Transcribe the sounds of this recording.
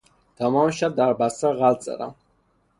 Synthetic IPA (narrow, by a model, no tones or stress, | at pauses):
d̪̥ɔmɔmʃab̚d̪aɾbasaʁalt̪sʼɛ̰ɾa̰